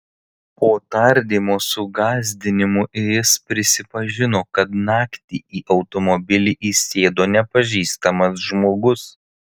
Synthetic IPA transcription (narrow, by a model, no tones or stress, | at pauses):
poːt̪ɐɾʲd̪ʲiːmoːsʊɡɑːzʲd̪ʲɪnʲɪmʊʔɪjɪspʲɾʲɪsʲɪpɐʒʲɪnoːkɐt̪nɑːkt̪ʲiːiːʔɒʊt̪ɔmɔbʲɪlʲiːʔiːsʲeːd̪oːnʲɛpɐʒʲiːst̪ɐmɐs̬ʒmoːɡʊs